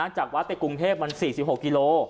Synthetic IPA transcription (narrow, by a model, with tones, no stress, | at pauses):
aː˧˥˩ŋt͡ɕaː˨˩k̚wa˦˥t̪ːe˨˩kːu˧ŋt̪ʰeː˥˩p̚ma˧nsiː˨˩si˨˩p̚ho˨˩k̚ːiː˧loː˧